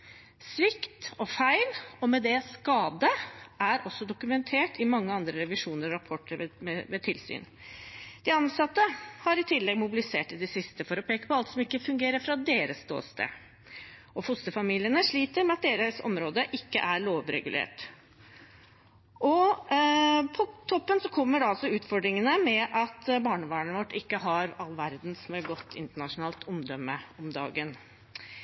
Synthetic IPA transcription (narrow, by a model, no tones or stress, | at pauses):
sʋɪkt̪ɔfæɪlɔmɛd̪ɛskɑːd̪əʔæɾʔɔsːɔd̪ʊkʉmɛnt̪ʰeːʈʰɪmɑŋːəɑnd̪ɾəɾɛʋɪʂuːnəɾɔɾɑpʰɔʈːəɾmɛmɛt̪ʰɪlsy̰ːn | d̪̥ɪɑnsɑt̪ːəhɑɾɪt̪ʰɪlːɛɡmʊbɪlɪseːʈɪd̪ɛsɪst̪əfɔɾɔpʰeːkə̥pʰɔɑlt̪sɔmɪkːəfʉŋɡeːɾəfɾɑd̪eːɾəsd̪o̰ːst̪ə̰ | ɔfʊst̪əfɑmiːlɪənəʂɭiːt̪əɾmɛɑt̪̚d̪eːɾəsɔ̰mɾoːd̪əʔɪkːə̰ʔæɾɭoːʋɾɛ̰ɡʉlʔḛːʈ | ʔɔ | pʰɔt̪ʰɔpːənsɔkʰɔmːəɖɛɑlsɔʉːt̪fɔɖɾɪŋənəmɛʔɑt̪bɑːɳəʋɑːɳʋɔʈːɪkːəɦɑɾɑlːʋæɾd̪n̩sɔmɛlɡɔt̪ʰːɪ̰nt̪əɳɑʂʊnɑːlt̪ʰɔmd̪œmːəɔmd̪ɑ̰ːɡən